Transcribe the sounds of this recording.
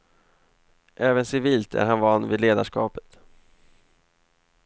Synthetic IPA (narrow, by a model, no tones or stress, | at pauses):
ʔɛːvənsɪviːlt̪ʰæ̰ɾhanvanːvɪd̪leːd̪aʂkɑːpə̥t̪